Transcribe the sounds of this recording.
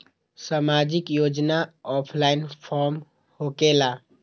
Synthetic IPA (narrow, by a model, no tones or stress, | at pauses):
samaːd͡ʒɪkjoːd͡ʒnaɔːpʰlaɪnpʰɔːɾm | hokela